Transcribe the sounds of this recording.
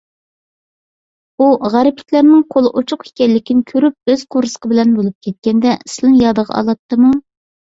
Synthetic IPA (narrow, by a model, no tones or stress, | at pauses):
uʁæɾɪpʰɪ̥t̪ʲlæɾnɨŋqʰolˠɨʔut͡ʃʰʊqi̥kʲɛlːɪkʲinɪkʲʰøɾyp̚øz̥qʰoɾsə̥qʰəbɪlɛnbolˠup̚kʲʰɛt̪̚kʲɛnd̪ɛslˠɨnjɑd̪əʁɑ̰ɑ̰lˠɑt̪ːɨmu